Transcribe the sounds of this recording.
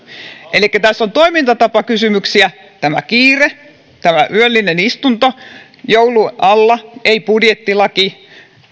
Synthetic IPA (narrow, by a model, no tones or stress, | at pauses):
ʔelikːæt̪æsːont̪oimint̪ɑt̪ɑpɑkysymyksiæ | t̪æmæ̰kiːre | t̪æmæʔyølːinenist̪unt̪o | jouluɑlːɑeipudjet̪ːilɑki